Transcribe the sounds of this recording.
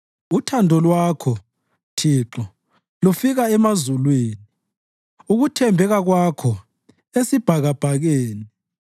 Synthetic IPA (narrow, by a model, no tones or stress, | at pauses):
utʰandʱɔlwakʰɔ | tʰiːǁɔ | lufiɣaɛmazulweːni | uɣutʰɛmbʱɛɣaɣwakʰɔ | esib̥ʱaɣab̥ʱaɣeːni